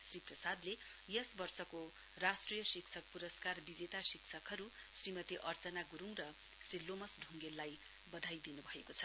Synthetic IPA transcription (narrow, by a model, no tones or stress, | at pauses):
sriprʌsad̪le | jʌsbʌrsʌko | rasʈrijʌsiksʰʌk̚puɾʌskarbid͡zet̪asiksʰʌkɦʌɾu | srimʌt̪iʔʌrt͡sʌnaɡuɾuŋrʌ | srilomʌsɖʱuŋɡelːaj | bʌd̪ʱajd̪inubʱʌekot͡sʰʌ